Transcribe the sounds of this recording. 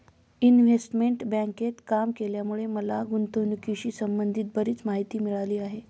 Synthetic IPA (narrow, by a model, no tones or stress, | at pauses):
inʋesʈmeɳʈbãŋket̪kamkeljamuɭeməlaɡunt̪oʋnukiɕiːsəmbənd̪ʱiːt̪̚bəɾiːt͡smaɦit̪iːmiɭaliːaɦe